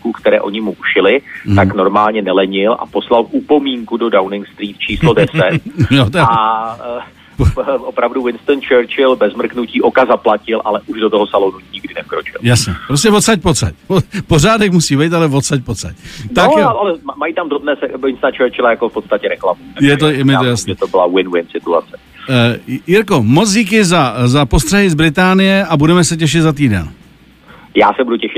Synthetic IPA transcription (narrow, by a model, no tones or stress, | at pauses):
kukt̪ɛɾɛːʔo̞ɲɪmuʔuʃɪlɪt̪akno̞ɾmaːlɲɛnɛlɛɲɪlʔa̰po̞slalʔupo̞miːŋkudo̞dawnɪŋɡst̪ɾiːt̪̚t͡ʃiːslodɛsɛt̪̚jot̪aa | pʔopɾavduwɪnst̪ənt͡ʃɛɾt͡ʃɪlbɛzmr̩knuciːʔo̞kazaplacɪlʔalɛʔuʒdot̪oɦosalonuɲɪɡdɪnɛfkɾot͡ʃɪ̰ljasɲɛpɾoscɛvot̪t͡sac̚pot͡sa̰copozaːdɛkmusiːbɛjt̪alɛvot̪sac̚pot͡sa̰cnt̪aaalɛmajiːt̪amdɾobnɛːsɛɪnst̪at͡ʃɛɾt͡ʃɪlajakofpot̪st̪acɛɾɛklamuajɛt̪ojɛmjɛojasnɛt̪obɪlawɪnwɪnsɪt̪ua̰tt͡sɛ | jɪɾko̞mot͡sɟiːk̬ɪzazapo̞st̪r̥ɛɦɪzbɾɪt̪aːnɪjɛʔabudɛmɛsɛc̬ɛʃ̬ɪt̪zat̪̬iːdɛ̰n | jaːsɛbuducɛʃɪ